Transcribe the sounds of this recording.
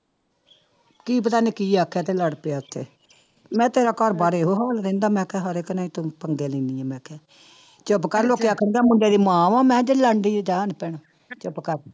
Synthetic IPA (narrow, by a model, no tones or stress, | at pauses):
kiːp̬ət̪aːniːkiːaːkʰːaːt̪eːləɽpeaːʊt̪ʰːḛː | mɛ̃ːt̪eːɾaːkɔɾbaɾeːɦoːɦaːld̪ẽːnd̪aːmɛ̃ːkɛːɦəɾekənãːĩːt̪ʊpəŋɡeːlĩːnĩːɛ̃ːmɛ̃ːkʰɛː | t͡ʃəpkəɾloːkeːaːkʰənd̪aːmʊɳɖeːd̪iːmãːʋãːmɛ̃ːd͡ʒələɳɖiːd͡ʒaːnpɛɳ | t͡ʃəpkəɾ